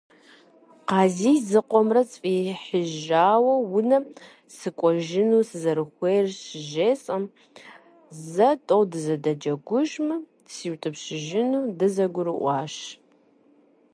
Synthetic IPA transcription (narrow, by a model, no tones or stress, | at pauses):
qɑːziːzɨqʷɔmrɐt͡sʼfʼiħəʒaːwɐwʊnɐ | sɨkʷʼɔʒɪnuːsɨzɐɾɨxʷejrɕɪʒeːsʼɐm | zɐtʼowdɨzɐdɐd͡ʒɐɡʷʊʒmɨ̥ | siːwtʼɨpɕɪʒɪnuːdɨzɐɡʷʊɾɨʔʷɑːʃ